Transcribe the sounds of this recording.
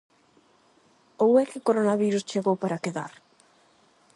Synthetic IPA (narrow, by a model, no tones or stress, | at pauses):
owɛkɪkoɾonaβiɾust͡ʃeɣowpaɾakeða̰ɾ